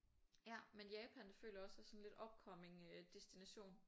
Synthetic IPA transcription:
jæmenjɛːpʰænfø̰ːlɐɒ̽sæsɒ̽n̩le̝d̥ɒ̽b̥̚kʰɒ̽me̝ŋød̥e̝sd̥inæɕo̝̰ːn

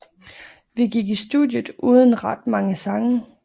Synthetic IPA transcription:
ʋiɡ̥iɡ̥isd̥uðˠjəð̩ˠʔuːð̞ˠən̩ʁɑd̥mɑ̈ŋəsɑ̈ŋə

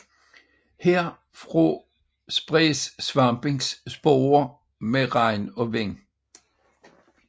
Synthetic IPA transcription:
heɐ̰ | fʁo | sb̥ʁɛsːʋɑ̈mb̥e̝ŋsːb̥oːɐ | meʁɑ̈ɪnɒ̽ʋeŋ̰

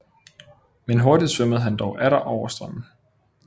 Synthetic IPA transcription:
menɦo̝ɐd̥id̥sʋøməð̞̩ˠɦænd̥ɒʊʔæɾɐʔɒʊ̰ɐsd̥ʁɑm̰n̩

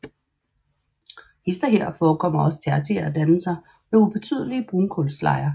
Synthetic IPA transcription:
esd̥ɐɦeɐ̰fɒːkʰɒ̽m̰ɐɒ̽st͡sʰeɑ̈t͡sʰḛɐæd̥ænəsɑ̈ɪ | meub̥e̝t͡sʰy̰ð̞̰ˠəliəb̥ʁunkʰolslɑ̰̈ɪɐ

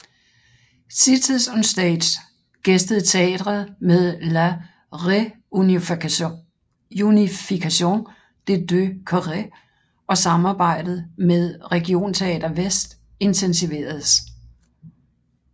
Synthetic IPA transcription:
sit͡sʰisɔnsd̥ɛ̰d̥s | ɡ̥esd̥əð̞̩ˠt͡sʰe̝ɛ̰ːd̥ʁɐð̩ˠmeðˠlæ | ʁe | unifikʰæɕo̝̰ːn | d̥e̝d̥økʰɒʁe | ʔɒ̽sɑ̈mɑ̈ːb̥ɑ̈ɪ̰d̥ð̩ˠmeðˠʁɛɡ̥io̝̰ːnt͡sʰe̝ɛ̰ːd̥ɐʋesd̥ | e̝nt͡sʰensiʋe̝̰ːɐð̩ˠs

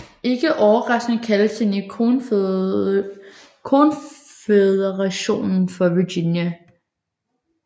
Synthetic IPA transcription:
e̝ɡ̥əʔɒʊɐʁɑsɡ̥nəkʰæləst͡senion | kʰon | feðˠəʁɑɕo̝̰ːnn̩fɒ̽ʋiɡ̥injæ

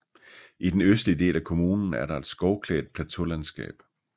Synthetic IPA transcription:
ʔid̥enøsd̥əid̥e̝̰ːlækʰo̝muːnn̩æɐɾɑ̈e̝d̥sɡ̥ɒʊkʰlɛ̰ːd̥̚pʰlæt͡sʰo̝lænsɡ̥ɛ̰ːb̥

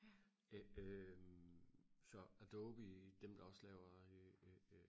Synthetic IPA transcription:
øm | sɒ̽æd̥oːb̥id̥emd̥ɑ̈ɒ̽slɛːʊɐ

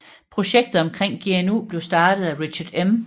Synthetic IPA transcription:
pʰʁo̝ɕeɡ̥̚d̥ð̩ˠɒ̽mkʰʁeŋ̰ɡ̥e̝enṵːb̥le̝ʊsd̥ɑ̈ːd̥ð̩ˠæʁi̥ɕɐd̥em

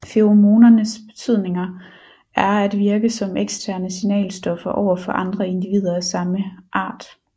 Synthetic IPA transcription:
feomo̝ːnɐnəsb̥e̝t͡sʰyð̞̰ˠne̝ŋɐ | ʔæɐæd̥ʋiɐɡ̥əsɒ̽meɡ̥sd̥ʰæɐnəsinɛ̰ːlsd̥ɒ̽fɐʔɒʊ̰ɐfɒ̽ʔɑ̈nd̥ʁɐe̝nd̥iʋḭːð̞ˠɐæsɑ̈məʔɑ̈ːd̥

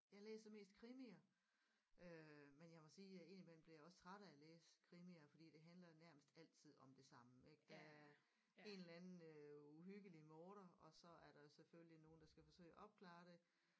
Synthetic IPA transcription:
jɑ̈ɪlḛːsɐme̝̰ːsd̥̚kʰʁimiɐ | ʔømenjɑ̈ɪmɒ̽siːe̝ːnimel̰m̩b̥liɐjɒ̽st͡sʰʁaɾæleːsə̥kʰʁimiɐfɒ̽d̥ḭːd̥e̝ɦænlɐnæɐ̰məsd̥æl̰t͡sʰið̞̰ˠɒ̽md̥e̝sɑ̈məeɡ̥̚d̥ɑæɐ | e̝nlænn̩øuɦyɡ̥əlimɔːɾ̥ɐɒ̽sɒ̽æɐɾɑ̈jo̝seføljino̝ːn̩d̥ɑsɡ̥æfɒ̽sø̰ɪ̰æʔɒ̽b̥̚kʰlɑ̰̈ːɾ̥e̝

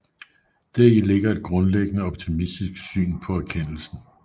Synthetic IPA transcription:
d̥æɐile̝ɡ̥ɐe̝d̥̚ɡ̥ʁɔ̽nleɡ̥ənəɒ̽b̥̚t͡sʰimisd̥isɡ̥sy̰ːnpʰɒ̽æɐkʰen̰l̩sn̩

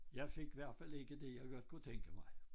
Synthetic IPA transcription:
jɑ̈ɪfe̝ɡ̥ʋæɐ̰d̥fæl̰e̝ɡ̥əd̥e̝jɑ̈ɪɡ̥ɒd̥̚kʰut͡sʰeŋɡ̥əmɑ̈ɪ

